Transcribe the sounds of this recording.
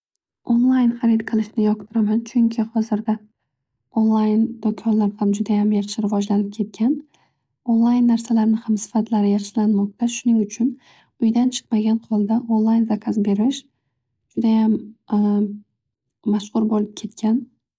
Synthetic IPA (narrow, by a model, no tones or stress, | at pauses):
onlˠajnχɑɾɪt̪̚qʰɨlˠɪʃnɪjɒq̚t̪ʰɪɾamant͡ʃʰʊŋkʲʰɪhɒzɪɾd̪a | onlˠajnd̪̥okʰɒnlaɾhamd͡ʒʊd̪ajamjaχʃɪɾɪvɒd͡ʒlanɪp̚kʲʰe̞t̪̚kʲʰan | onlˠajnːaɾsalaɾnɪhamsɪ̥fat̪ʰlaɾɪjaʃɪlanmɒq̚t̪ʰaʃʊnɪŋʊt͡ʃʰʊn | ʊjd̪ant͡ʃʰɨ̥qmaɡʲanqʰɒlˠd̪aʔonlˠajnzakʲʰasbe̞ɾɪʃ | d͡ʒʊd̪ajam | aʃqʊɾbolɪp̚kʲʰe̞t̪̚kʲʰan